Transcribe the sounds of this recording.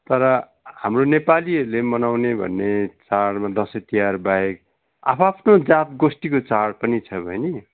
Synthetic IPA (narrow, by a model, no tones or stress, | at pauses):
t̪ʌɾʌ | hamronepaliɦʌɾulemʌnawnebʱʌ̰nːet͡saɽmad̪ʌsʌt̪ijarbaek̚ | a̰pʰapʰnod͡zat̪̚ɡosʈikot͡saɽpʌnit͡sʰʌbʱʌjni